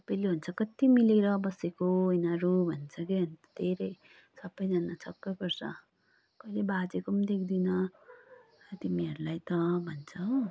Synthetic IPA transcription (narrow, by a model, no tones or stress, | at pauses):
ʌpʌjleɦunt͡sʰʌkʌt̪imileɾʌbʌsekoinaɾubʱʌnt͡sʰʌkeɦʌnt͡sʌ̥d̪̥ʱeɾʌj | sʌbːʌjd͡zʌnat͡sʰʌkːʌpʌrsʌ | kʌjlebad͡zekumd̪ek̚ʰd̪inʌ | t̪imiɦʌɾulajt̪ʌbʱʌnt͡sʰʌ